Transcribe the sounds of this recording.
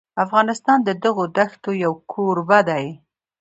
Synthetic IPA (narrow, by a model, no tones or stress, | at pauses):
afɣɑnɪst̪ɑnd̪əd̪əɣod̪axt̪ojawkʰoɾbad̪aj